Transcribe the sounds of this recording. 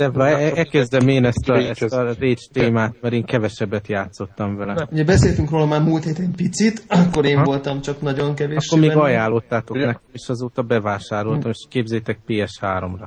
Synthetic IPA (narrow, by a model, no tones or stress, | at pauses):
d̪̥ɛɛɛkɛzd̪ɛmeːnɛst̪ɒɛst̪ɒreːt͡ʃt̪eːmaːt̪̚mɛɾeːŋkɛvɛʃɛbːɛt̪jaːt̪so̞t̪ːɒɱvɛlɛujɛbɛseːlt̪yŋkroːlɒmaːrmult̪heːt̪ɛmpit̪sit̪ɒkːoɾeːɱolt̪ɒmt͡ʃɒknɒɟoŋkɛveːʃkːormeːɡɒjaːlːo̞t̪ːaːt̪o̞knɛkɛmeːʃɒzoːt̪ɒbɛvaːʃaːɾo̞lt̪ɒmeʃkeːbzɛːjt̪ɛk̚peːɛʃhaːɾo̞mrɒ